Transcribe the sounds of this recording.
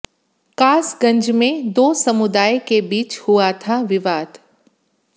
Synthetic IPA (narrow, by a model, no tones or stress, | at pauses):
kaːsɡɐ̃ɲd͡ʒmẽd̪oːsɐmʊd̪aːjkebiːt͡ʃhʊat̪ʰaʋɪʋaːd̪